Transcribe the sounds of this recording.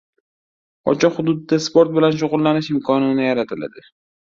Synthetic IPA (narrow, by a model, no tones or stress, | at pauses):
ɒ̰t͡ʃʰɒhʊd̪ʊd̪ːaspoɾt̪̚bɪlanʃ̬oʁʊlˠːanɪʃɪmkʰɒnɪnɪjaɾat̪ʰɪla̰d̪ɪ